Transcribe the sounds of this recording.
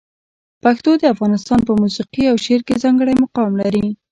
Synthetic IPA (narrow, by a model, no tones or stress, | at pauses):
paxt̪od̪əafɣɑnɪst̪ɑnpəmusiqiawʃeɾkezɑŋɡəɽajmʊqɑwmlaɾi